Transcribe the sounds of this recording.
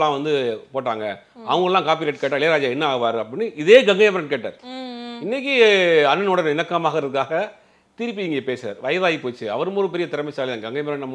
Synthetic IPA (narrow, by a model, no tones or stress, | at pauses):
lːãːʋɐnd̪ɯpoːʈːa̰ːŋɡɐ | ɐ̰ʋɐŋɡɐɭɛlːãːkaːp̬ileːʈːkeːʈ̬ːaːɪɭeːɾaːd͡ʒaːɛnːɐaːɣɯʋaːɾɯɐpɐɽɪnːɯʔɪðeːɡɐŋɡɐjɐmɐɾɐɳɖ̚keːʈːa̰ːɾɪnːɛk̬ːiɐnːɯnoːɽɐnɪnɐkːaːmaːɣɪɾɐðɯkːaːɣɐ | t̪ɪɾɯp̬ːiɪŋɡeːpeːsa̰ːɾʋɐjɐðaːjipoːt͡ʃːɯɐ̰ʋɐɾɯmoːɾɯp̬ɛɾɪjɐt̪ɪɾɐmɐɪsaːlɪðãːŋɡɐŋɡɐjɐmɐɾɐɳɖnɐmː